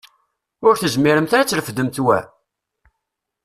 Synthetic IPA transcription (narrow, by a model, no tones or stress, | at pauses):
ʊɾθəzmiɾəmt̪æɾæt͡sːɾəfəd̪ːəmt̪wæ̰